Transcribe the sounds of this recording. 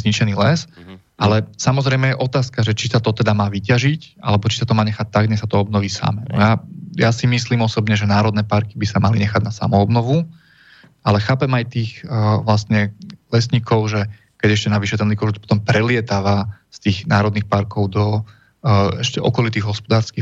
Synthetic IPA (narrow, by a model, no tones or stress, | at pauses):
zɲit͡ʃɛniːlɛs | ʔalɛsamɔzɾɛjmɛjɛʔɔt̪aːskaʒɛt͡ʃisat̪ɔt̪ɛd̪amaːʋicaʒicʔa̰lɛbɔt͡ʃi̥sat̪ɔmaːɲɛxac̚t̪aɡɲɛsat̪ɔɔbnɔʋiːsa̰mɛnɔ̰jajasimisliːmɔsɔbɲɛʒɛnaːɾɔd̪nɛpaɾkibisamaliɲɛxaɟnasa̰mɔɔbnɔʋu | ʔalɛxaːpɛmajt̪iːxʋlast̪ɲɛlɛsɲikɔʊʒɛ | kɛɟɛʃcɛnaʋiʃɛt̪ɛnlikɔt̪pɔ̥t̪ɔmpɾɛlɪɛt̪aːʋast̪iːɣnaːɾɔd̪nixpaɾkɔʊd̪ɔ | ɛʃcɛʔɔkɔlit̪iːɣɦɔspɔd̪aːɾski